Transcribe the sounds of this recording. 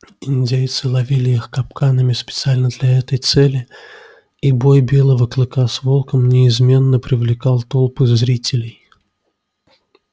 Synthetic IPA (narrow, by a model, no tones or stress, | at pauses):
ɪnʲdʲejt̪sɨlˠɐvʲilʲɪixkɐpkanəmʲɪspʲɪt̪sɨalʲnəd̪lʲaɛt̪əjt̪sɛlʲɪ | ibo̞jbʲe̞lˠəvəklˠɨkasvo̞lˠkəmnʲɪɪzmʲe̞nːəpɾʲɪvlʲɪkɑlˠt̪o̞lˠpɨzzɾʲitʲɪlʲɪj